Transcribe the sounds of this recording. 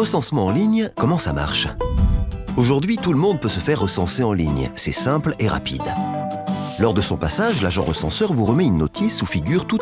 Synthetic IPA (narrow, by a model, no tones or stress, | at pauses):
ʁəsɑ̃smɑ̃ɑ̃liɲkɔmɑ̃sama̰ʁʃ | oʒuʁd̪ɥit̪uləmɔ̃d̪̚pøsəfɛʁːəsɑ̃seɑ̃liɲsɛ̰sɛ̃pleʁa̰pḭd̪ | lɔʁd̪əsɔ̃pasaʒlaʒɑ̰̃ʁəsɑ̰̃sœʁvuʁəmɛynːɔt̪ʰisufiɡʲyʁt̪u